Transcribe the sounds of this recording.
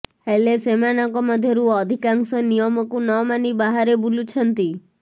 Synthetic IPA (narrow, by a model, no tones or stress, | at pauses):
helesemanɔŋkɔmɔd̪ʱjɔɾuɔd̪ʱikaŋsɔnijɔmɔkunɔmanibaɦaɾebulut͡ʃʰɔnt̪i